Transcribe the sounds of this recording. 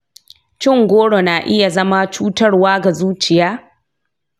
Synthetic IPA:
t͡ʃɪ˦˨ŋɡʷoː˦ɽo˨naː˨ʔɪ˦ja˨zɐ˦ma˦t͡ʃuː˦tɐ˦rwaː˦ɡa˨zuː˦t͡ʃɪ˨jaː˦

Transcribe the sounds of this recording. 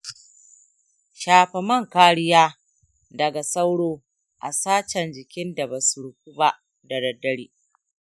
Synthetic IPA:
ʃaː˨ɸɛ˨mɐ˦ŋkaː˦ɽɪ˦jaː˦ | dɐ˨ɡa˨sa˦wɽoː˦ | ʔa̰˨saː˦t͡ʃɐ˨nd͡ʒɪ˨kʲɪ˦nda˨ba˨su˨ɽʊ˨k̚ʷu˦ba˦ʔ | dɐ˨dɐ˨dːɐ˦ɽiː˦

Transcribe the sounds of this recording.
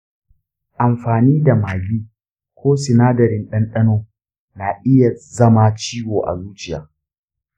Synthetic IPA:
ʔa˨mɸaː˨niː˦da˨maː˨ɡiː˦ | kʷoː˦sɪ˨naː˦dɐ˨ɾɪ˨nɗɐ˦nɗɐ˦noː˦ | na˨ʔɪ˦ja˨zɐ˦ma˦t͡ʃiː˦woː˨ʔa̰˨luː˦t͡ʃɪ˦˨ja̰ː˨

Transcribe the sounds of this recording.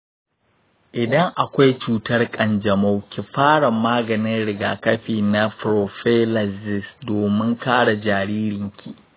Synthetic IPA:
ʔɪ˨dɐ˦ŋʔa˨kʷa˦jt͡ʃuː˨tɐ˦rkʼɐ˨nd͡ʒɐ˨ma˦wkʲi˨ɸaː˦ɽɐ˨mːaː˦ɡɐ˨nɪ˦nɽɪ˨ɡaː˨kɐ˦ɸiː˨na˦ɸɾo˨ɸe˦lɐ˨sɪ˦sdoː˨mɪ˦ŋkaː˦ɽa˨d͡ʒaː˨ɾiː˦ɾɪ˨ŋkʲʰi˦˨

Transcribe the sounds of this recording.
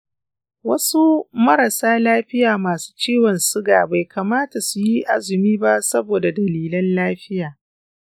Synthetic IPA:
wɐ˦su˦mɐ˦ɾɐ˨saː˦laː˦ɸɪ˦jaː˨maː˨su̥ː˦t͡ʃiː˦wɔ˨nsʊ˦ɡaː˨ba˨jkʰaː˨maː˦ta˨su˨ji˦ʔa̰˦zɪ˨miː˦ba˦sɐ˦boː˨da˨dɐ˨liː˨lɐ˦nlaː˦ɸɪ˦jaː˨

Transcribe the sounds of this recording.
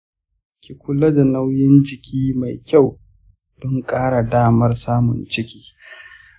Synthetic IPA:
kʲi˨kʷʊ˦la˦da˨na˦wjɪ˦nd͡ʒɪ˨kʲiː˦ma˨jkʲa˦˨w | d̥ɔ˦ŋkʼaː˦ɽa˨daː˦mɐ˦rsaː˦mʊ̰˨nt͡ʃɪ˦kʲi̥ː˦

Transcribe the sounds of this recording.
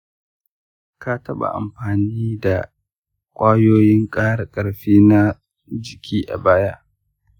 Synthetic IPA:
ka˦tɐ˦ɓa̰˨ʔa̰˨mɸaː˨niː˦da˨ | kʷʼaː˦joː˦jɪ˦ŋkʼaː˦ɽa˨kʼɐ˨ɽɸiː˦na˦ | d͡ʒɪ˨kʲʰiː˦ʔa̰˨baː˦ja˦ʔ

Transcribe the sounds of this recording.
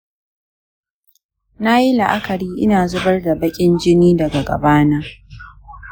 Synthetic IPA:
na˦ji˦la˨ʔa˦kɐ˨ɾiː˦ʔɪ̰˦naː˨zʊ˦bɐ˦rda˨bɐ˦kʲʼɪ˦nd͡ʒɪ˦niː˦dɐ˨ɡa˨ɡɐ̰˨baː˦naː˦

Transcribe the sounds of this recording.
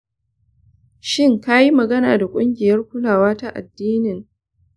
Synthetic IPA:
ʃɪ˦˨ŋka˦ji˦mɐ˨ɡɐ˦naː˨da˨kʷʼʊ˦ŋɡʲɪ˨jɐ˦rkʷʊ˦laː˨waː˦ta˦ʔa̰˨dːiː˦nɪ˨ŋ

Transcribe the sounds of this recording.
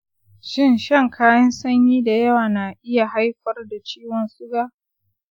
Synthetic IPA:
ʃɪ˦˨nʃɐ˦˨ŋkʰaː˦jɐ˦nsɐ˦ɲjiː˦da˨jɐ˦waː˨na˨ʔɪ˦ja˨ɦa˦jɸɐ˦rda˨t͡ʃiː˦wɔ˨nsʼʊ˦ɡaː˦

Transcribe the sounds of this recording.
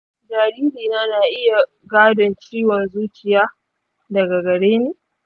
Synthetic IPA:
d͡ʒaː˨ɾiː˦liː˨naː˦na˨ʔɪ˦ja˨ | ɡaː˦dɐ˨nt͡ʃiː˦wɐ˨nzuː˦t͡ʃɪ˨jaː˦ | dɐ˨ɡa˨ɡɐ˨ɽeː˦neː˦

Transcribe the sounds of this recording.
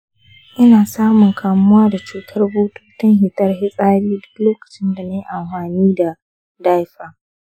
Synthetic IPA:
ʔɪ˦naː˨saː˦mʊ˨ŋkʰaː˨mʊ˦waː˦da˨t͡ʃuː˨tʰɐ˦rboː˦tu̥ː˦tɐ˦ŋɦɪ˨tɐ˦rɦɪ˦sʼaː˦ɽiː˦dʊ˦kloː˦kɐ̥˨t͡ʃɪ˦nda˨na˦jʔa˨mɸaː˨niː˦da˨ | da˦jɸaː˨

